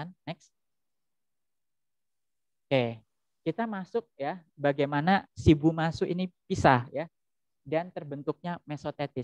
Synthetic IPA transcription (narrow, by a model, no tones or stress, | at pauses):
anːɛks | ke | kit̪amasʊk̚jabaɡajmanasibumasuʔinipisahja | dant̪ərbənt̪ʊk̚ɲamesot̪et̪ɪ